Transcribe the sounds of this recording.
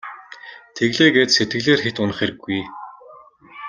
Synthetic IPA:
t̪ʰeɣɮeːɡeːt̪set̪̚ɡɘ̆ɮeːrxet̪ʊnə̆χeɾɘ̆ɡːuj

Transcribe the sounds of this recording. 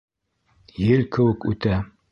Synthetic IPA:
jɘlkɘ̆wɘ̆kʉ̰t̪æ

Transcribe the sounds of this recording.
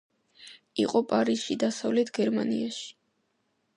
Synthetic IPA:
ḭqʼɔpʼaɾisʃid̪asavlɛt̪ʰɡɛɾmanḭaʃi̥

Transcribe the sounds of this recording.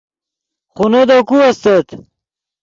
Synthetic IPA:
χunod̪okuɐst̪et̪

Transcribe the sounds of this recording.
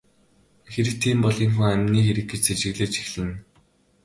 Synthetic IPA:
xeɾɘ̆k̚t̪ʰiːmpɔɮiːŋxuŋæmʲniːxeɾɘ̆kɡet͡ɕset͡ɕɪ̆ɣɮeːt͡ɕi̥xɮɘ̆n

